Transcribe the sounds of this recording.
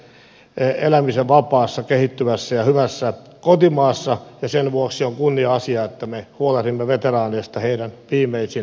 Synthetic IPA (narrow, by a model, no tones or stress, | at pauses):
elæmiseʋʋɑpɑːsːɑkehit̪ːymæsːæjɑhyʋæsːæ | kot̪imɑːsːɑjɑsenʋuoksioŋkunːiɑɑsiɑet̪ːæmehuolerimːeʋet̪erɑːneːst̪ɑheiɾænʋiːmˑeisin